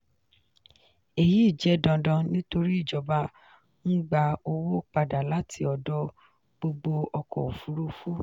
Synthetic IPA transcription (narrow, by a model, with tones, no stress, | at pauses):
e˨ji˦i˦˨d͡ʒɛ˨˦dã˧dɔ̃˧nĩ˦to˧ɾi˦i˦˨d͡ʒɔ˨ba˧ | n̩˦ɡ͡ba˧o˧wo˦k͡pa˧da˨la˨˦tʰi˧ɔ˨dɔ˧˦ | ɡ͡bo˧ɡ͡bo˧ɔ˧kɔ̰˨o˨fu˨˦ɾu˦fu˦